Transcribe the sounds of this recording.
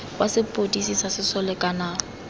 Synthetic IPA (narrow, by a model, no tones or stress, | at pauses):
wasɪpʼodisisasɪsɔlɛkʼanaː